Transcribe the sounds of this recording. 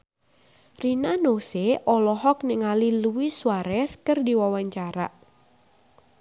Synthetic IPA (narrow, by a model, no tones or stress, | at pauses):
rinanoseʔɔlɔɦɔk̚niŋaliluwiswaɾɛskərdiwawaɲt͡ʃaɾa̰ʔ